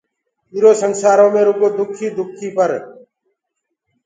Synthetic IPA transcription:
iːɾoːsəŋsaːɾõːmẽːɾʊɡoːd̪ʊkʰiːd̪ʊkʰiːpəɾ

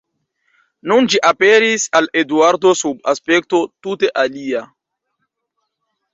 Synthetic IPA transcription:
nund͡ʒiʔapeɾisaleduaɾd̪osubaspek̚to̞tuteʔalia

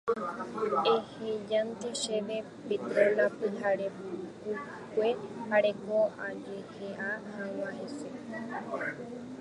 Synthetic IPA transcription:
ehed͡ʒãnt̪eʃeʋe | pit̪olapɨhaɾeku | kʷehaɾekoad͡ʒeheʔahãwaɦese

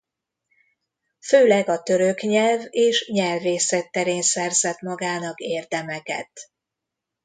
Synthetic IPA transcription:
føːlɛɡɒt̪ø̞ɾø̞kɲɛlveːʃɲɛlveːsɛt̪ːɛɾeːnsɛrzɛt̪mɒɡaːnɒkeːrd̪ɛmɛkɛ̰t̪

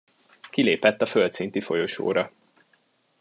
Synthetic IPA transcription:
kileːpɛt̪ːɒfølt̪sint̪ifo̞̰jo̞ʃo̰ːɾɒ

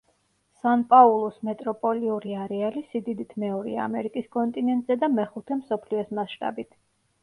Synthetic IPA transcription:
sanpʼaulˠɔsmɛt̪ʼɾɔpʼɔliuɾiaɾɛalisid̪id̪it̪ʰmɛɔɾḭa̰a̰mɛɾikʼiskʼɔnt̪ʼinɛnt̪ʼzɛd̪amɛχut̪ʰɛmsɔpʰliɔsmasʃt̪ʼa̰bit̪ʰ

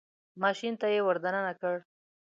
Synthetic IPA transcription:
mɑʃint̪ajewaɾd̪ananakəɽ

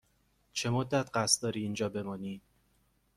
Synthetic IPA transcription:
t͡ʃʰe̞mod̪ːæt̪ʰɢæst̪d̪ɒːɾiːnd͡ʒɒːbe̞mɒːniːd̪̥

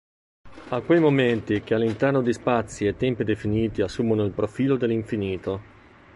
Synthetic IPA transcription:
akwejmoment̪ik̟ealːint̪ɛrnod̪ispat̪sːiet̪ːɛmpid̪efiniːt̪iasːuːmonoilpɾofiːlod̪elːiɱfiniːt̪o

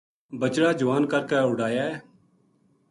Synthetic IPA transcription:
bət͡ʃɽaːd͡ʒʊʋaːnkəɾkaːʊɽaːjaːɛː

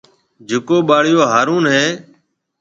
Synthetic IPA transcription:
d͡ʒʱʊkoːɓaːɽɪjoːɦaːɾuːnɦeː

